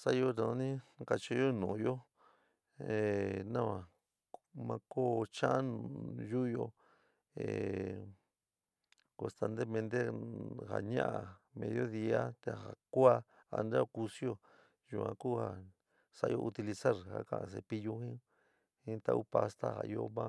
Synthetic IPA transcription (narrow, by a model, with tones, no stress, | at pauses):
sa˦jo˧na˧ã˧nĩ˦ka˧t͡ʃi˧jo˦nũː˨jo˦ | e˨nã˦˧ã˨ | mã˧ko˦˨t͡ʃã˦ʔa˦ñ˧ju˦jo˧ | ḛ˨ | kõ˧˨st̪a˧nd̪e˦mẽ˧nd̪e˦ha̰˨ɲã̰˦ʔa˨ | mẽ˧ðjo˦ði˧a˦t̪e˧ha˨ku˦a˦ | a˧nɾa˦˧ku˧sjo˦ | ju˧ã̰˧ku˦˨ha˨ | sa˧ʔjo˧ʔu˧t̪i˧li˧sa˦ɾha̰˦kã̰˨ã̰˧s̬e˧pi˧ju˧hĩ˦ | hĩ˦t̪a˧ʔu˦pa˧st̪a̰˦ha̰˨jo˧mã˦˧